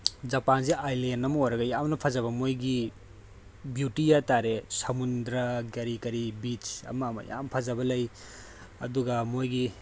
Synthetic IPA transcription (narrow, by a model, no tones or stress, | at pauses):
zɐpans̬eʔajlenːɐmɐojɾɐɡɐjamnɐpʰɐzɐβɐmojɡi | bjutijataɾesɐmundɾɐɡɐɾikɐɾibit͡ʃɐ̰mɐːmɐ̰ja̰mpʰazɐbɐlɐj | ɐ̰duɡɐmojɡi